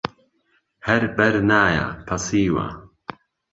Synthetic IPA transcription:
hɐɾbɐɾnaːja̰pʰɐsiːwa̰

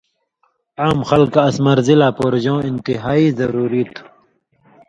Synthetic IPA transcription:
aːmxɐlkɐsmɐɾzilaːpoːɾʑõːint̪iɦaːizɐɾuːɾiːt̪ʰu

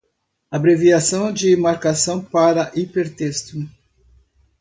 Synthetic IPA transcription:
abɾeviasɐ̃w̃d͡ʒɪmaɾkasɐ̃w̃paɾɐʔipeɾt̪est̪ʊ

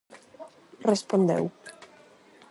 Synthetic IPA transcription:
respond̪ḛw

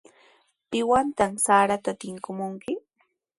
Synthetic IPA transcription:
pɪwant̪amsaːɾat̪at̪ɪŋkʊmʊŋkɪ

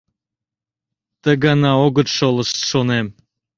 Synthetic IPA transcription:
t̪əɡɑnɑoɣət̪ʃolˠəʃt̪ʃonem

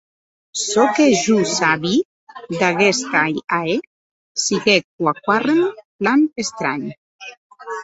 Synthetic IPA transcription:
sɔkeʒusaβi | d̪aɣɛst̪ajae | siɣek̚wakwarenplanest̪ɾa̰ɲ

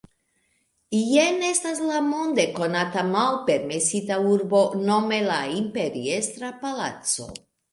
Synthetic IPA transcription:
ijenest̪aslamond̪eko̞nat̪amalpeɾmesit̪auɾbo̞no̞me̞laimpeɾiest̪ɾapala̰t̪t͡so̞̰

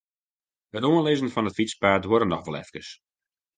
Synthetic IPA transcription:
ətoənlezənfɑnətfit͡spaːtwoɾənɔxʋɔlɛ̰fkəs

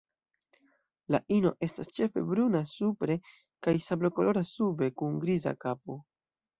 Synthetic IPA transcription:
laʔino̞̰ʔe̞stast͡ʃe̞fe̞̰bɾunasupɾe̞ | kajsablo̞ko̞lo̞ɾasube̞kunɡɾiza̰kapo̞

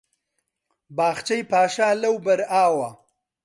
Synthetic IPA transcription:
baːxt͡ʃajpaːʃaːlɐwbɐɾaːwa

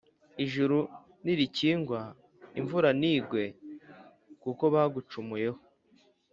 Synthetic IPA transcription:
iʒuɾu | niɾiciːŋɡwa | iɱvuɾaniːɡwe̞ | kuko̞βaɡut͡ʃumuje̞ho

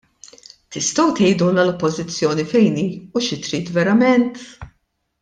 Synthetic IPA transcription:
t̪ɪst̪ɐwt̪ɛjd̪unɐlɔpːɔzɪt͡sːjɔːnifɛjniːuʃɪt̪ɾiːt̪vɛɾɐmɛnt̪

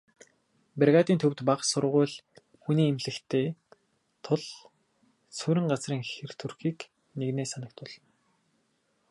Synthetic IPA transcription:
perʁaːt̪iːnt̪ʰɵwt̪paqsʊrʁʊːɮ | xuniːemɮɘ̆xt̪ʰeː | t̪ʰʊɮ | suɾɪ̆ɴɢat͡sriːŋxer̥t̪ʰurxiːk | neɣneːsanə̆k̚t̪̚pʊɮɞ̆n

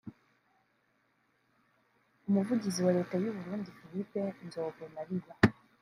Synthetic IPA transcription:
umuvuɟiziwaɾe̞ːtajuβuɾuːndifilipenzoːɡenaɾiβa

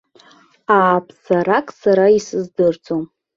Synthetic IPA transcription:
aːpʰsaɾakʼsaɾaisɨzdɨrt͡sʰʼom

